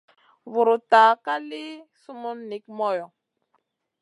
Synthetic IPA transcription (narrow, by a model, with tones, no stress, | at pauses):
vu˨ɾʊ˨taː˨ka˦li˦su˦mu˦nːi˨k̚mɔ˦jɔ˨